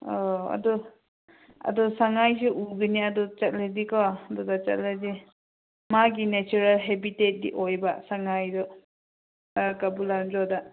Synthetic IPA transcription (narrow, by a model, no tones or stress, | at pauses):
ɔa̰dɔ | ɐ̰dɔsaŋajsiʔuɡiniɐdɔt͡ʃɐt̚ladikɔdɔdat͡ʃɐ̰t̚ladi | maɡinet͡ʃuɾalɦebitet̚dḭʔojbasaŋajdɔ | kabuland͡ʒɔda